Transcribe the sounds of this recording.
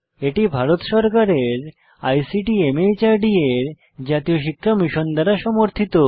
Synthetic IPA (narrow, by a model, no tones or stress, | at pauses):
eʈibʱaɾot̪ʃɔɾkaɾeɾ | ajsiʈiemejt͡ɕaɾɖieɾ | d͡ʑat̪ijoʃikʰːamiʃond̪aɾaʃɔmoɾt̪ʰit̪o